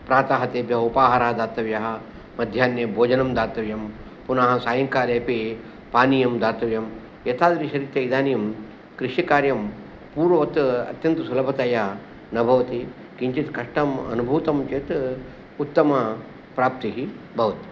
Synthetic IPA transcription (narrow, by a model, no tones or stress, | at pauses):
pɾaːt̪aːɦɐt̪eːbjɐɦupaːɦɐɾaːɦɐd̪aːt̪ɐʋjɐɦɐ̆ | mɐd̪ʱjaːnjɐbʱoːd͡ʒɐnɐmd̪aːt̪ɐʋjɐm | punaːɦɐ̆saːjɐŋkaːɾeːpi | paːnijɐmd̪aːt̪ɐʋjɐm | jɐt̪aːd̪ɐɾiʃɐɾit̪jɐid̪aːnijɐm | kɾɪʃikaːɾjɐm | puːɾʋʋɐt̪ɐ̰t̪jɐnt̪ɐsulɐbʱɐt̪ɐjɐ | nɐbʱɐʋɐt̪i | kiɲt͡ʃit̪kɐʂʈɐmɐ̰nubʱuːt̪ɐmt͡ʃeːt̪ | ut̪ːɐmɐ | pɾaːp̚t̪iɦibʱɐʋɐt̪